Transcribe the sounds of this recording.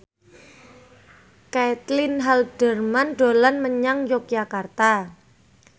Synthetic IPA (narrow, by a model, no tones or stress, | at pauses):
kɛt̪lɪnɦaldərmanɖo̤lanməɲaŋjok̚d͡ʒakart̪a